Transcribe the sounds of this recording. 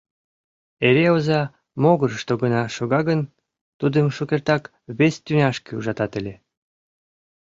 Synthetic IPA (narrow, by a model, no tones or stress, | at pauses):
eɾeozɑ | moɣəɾəʃt̪oɣənɑʃoɣɑɣən | t̪ud̪əmʃukert̪ɑk | βest̪ynʲɑʃkeuʒɑt̪ɑt̪elʲe